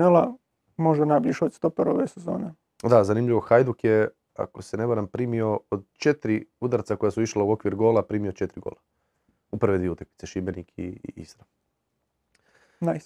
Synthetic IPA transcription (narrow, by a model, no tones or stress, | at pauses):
elˠa | moʒenabliʃost̪opeɾoʋesezo̰ːne | d̪azanimʎiʋo̞xajd̪ukje | a̰ko̞sene̞baɾampɾiːmio̞od̪t͡ʃet̪ɾiud̪aɾt̪sako̞jasuiʃlˠauo̞kʋiɾɡo̞ːlapɾiːmiot͡ʃe̞t̪ɾiɡo̰ːlˠa | uprʋed̪ʋieut̪akli̥t̪seʃibenikʰḭḭsɾam | naj